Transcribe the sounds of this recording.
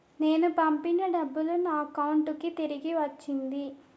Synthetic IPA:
ne̞ːnupɐmpinɐɖɐbːulunaːkɐwuɳʈukit̪iɾiɡiʋɐt͡ʃːind̪i

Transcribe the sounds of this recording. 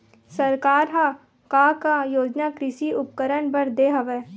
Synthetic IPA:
sɐɾkaːɾɦa | kaːkajoːd͡ʒnaːkɾɪʃiʊp̚kəɾənbəɾd̪eːɦɐʋɛː

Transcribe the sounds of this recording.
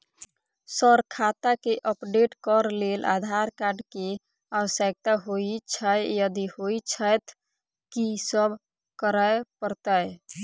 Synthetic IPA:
səɾkʰat̪akeʔəpɖeʈkəɾlelʔa̰d̪ʱaɾkaɾɖke | awəsək̚t̪aɦoit͡ʃʰəjjəd̪ihoit͡ʃʰəjt̪ | kisəbʱ | kəɾəjpəɾt̪əj

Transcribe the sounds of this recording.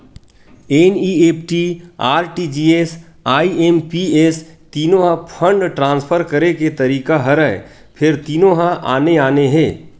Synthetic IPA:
eːniːeːpʈiaːɾʈid͡ʒiːeːs | aːieːmpieːst̪iːnõɦãpʰə̃ɳɖʈɾãːnspʰəɾkɐɾeket̪ɐɾiːkaɦɐɾɛḛ | pʰɪɾt̪iːnõɦãʔaːneaːneɦɛ̃ː

